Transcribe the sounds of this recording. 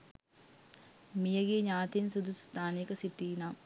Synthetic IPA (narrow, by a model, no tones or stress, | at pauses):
mijɐɡeɲaːt̪insud̪ust̪ʰaːnekɐsit̪iːna